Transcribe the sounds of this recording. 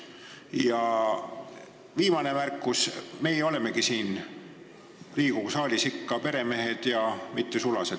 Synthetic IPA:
jɑ | viːmɑne̞mærkːusme̞ːo̞le̞me̞ɡ̥isiːn | liːɡ̥usɑːlʲisikːɑpe̞ɾe̞me̞ɦe̞d̪̥jɑmit̪ˑːesulɑse̞d̪̥

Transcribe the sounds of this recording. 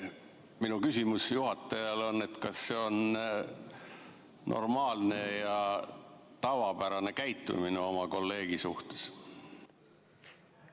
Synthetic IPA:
minukysʲimusjuhɑt̪ːˑɑjɑlo̞nːe̞t̪kɑsːe̞o̞n | nʔo̞̰rmɑːlne̞jɑ | t̪ɑvɑpæɾɑne̞kæjt̪ːˑṵmineo̞mɑko̞lːe̞ːɡ̥isuht̪e̥s

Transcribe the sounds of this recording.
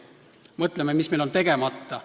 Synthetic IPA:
mɤt̪ˑlemːemisme̞jlo̞nt̪e̞ɡ̥e̞mɑt̪ːɑ

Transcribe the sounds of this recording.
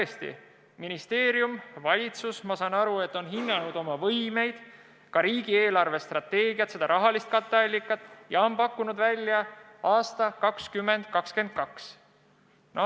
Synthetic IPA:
est̪ḭ | minist̪e̞ːɾjumvɑlʲit̪susmɑsɑːnɑɾue̞t̪ːˑo̞nɦinːɑnud̪̥o̞mɑvɤjme̞jd̪̥ | kɑɾiːɡ̥ie̞ːlɑrve̞st̪rɑt̪ːe̞ːɡ̥iɑt̪se̞d̪̥ɑɾʔɑɦɑlist̪̚kɑt̪ːˑeɑlʲːikːˑɑt̪ːˑjɑo̞mpɑkːunud̪vælʲːjɑ | ɑːst̪ɑkɑkskymːend̪̥̚kɑkske̞nd̪̥̚kɑks | no

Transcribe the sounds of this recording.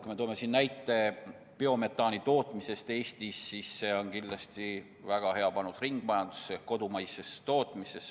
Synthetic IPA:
kujmet̪ome̞sinnæjt̪ːˑe̞ | peo̞me̞t̪ˑːɑːnit̪o̞ːt̪ˑmise̞st̪e̞ːst̪isːisːe̞o̞nkinlɑst̪i | væɡ̥ɑhe̞ɑpɑnusriŋɡ̥mɑjɑnd̪̥u̥sːeko̞d̪umɑjsest̪o̞ːt̪ˑmise̞s

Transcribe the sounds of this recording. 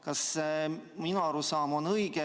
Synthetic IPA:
kɑs | minɑɑɾusɑːmonɤjɡ̥e

